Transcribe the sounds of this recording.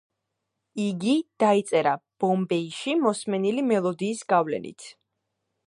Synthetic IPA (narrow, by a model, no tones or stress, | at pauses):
iɡid̪̥ait̪sʼɛɾab̥ɔmbɛiʃimɔsmɛnilimɛlˠɔd̪iːsɡavlɛ̰nḭt̪ʰ